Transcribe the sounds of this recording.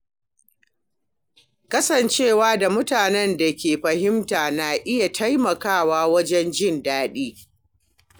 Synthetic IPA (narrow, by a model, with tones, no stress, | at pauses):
kɐ˦sɐ˨nt͡ʃeː˦˨waː˦da˨mʊ˦taː˨nɛ˦nda˨kʲeː˨ɸɐ˨ɦɪ˦mtaː˨naː˨ʔɪ˦ja˨tʰa˦jmɐ˨kaː˦˨waː˦wɐ˦d͡ʒɛ˦nd͡ʒɪ˦˨ndaː˦ɗiː˦